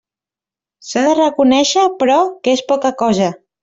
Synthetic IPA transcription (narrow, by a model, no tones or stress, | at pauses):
saðərəkunɛʃəpɾɔkespɔkəkɔzə